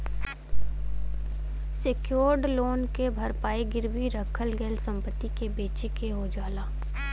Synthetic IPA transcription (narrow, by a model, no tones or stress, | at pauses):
sekjoːɾɖloːnkebʱɐɾpaːiɡɪɾwiɾəkʰəlɡɛːlsɐ̃mpət̪ːikebeːt͡ʃikeɦod͡ʒaːlaː